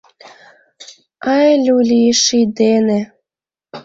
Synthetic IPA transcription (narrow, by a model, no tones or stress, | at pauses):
ɑjlʲulʲiʃid̪ene